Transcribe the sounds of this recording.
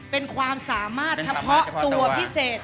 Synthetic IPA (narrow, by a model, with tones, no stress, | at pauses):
pe˧nkʰwaː˧msaː˩˦maː˥˩t̪̚t͡ɕʰa˧pʰɔ˦˥ʔt̪u˧ɐpʰi˦˥seː˨˩t̪̚